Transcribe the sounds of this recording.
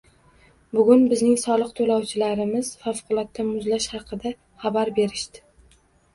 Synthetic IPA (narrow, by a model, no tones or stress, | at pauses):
bʊɡʲʊnbɪznɪŋsɒlˠɨqt̪ʰolawt͡ʃʰɪlaɾɪmɪz̥fafqʰʊlˠɒt̪ːamʊzlaʃhɑqʰɨd̪a | χabaɾbe̞ɾɪʃt̪ɪ̥